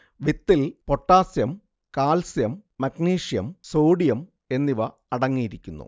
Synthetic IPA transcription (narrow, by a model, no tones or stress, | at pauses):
ʋit̪ːilpo̞ʈːaːsjɐm | kaːlsjɐmːɐkniːʂijɐmsoːɽijɐm | e̞nːiʋɐ | ɐɽɐŋːijiɾikʲːunːṵ